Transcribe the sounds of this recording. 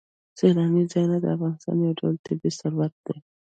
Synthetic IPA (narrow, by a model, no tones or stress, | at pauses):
selɑnizɑjnad̪əafɣɑnɪst̪ɑ̰njawɖawlt̪ɪbisaɾwat̪̚d̪̥e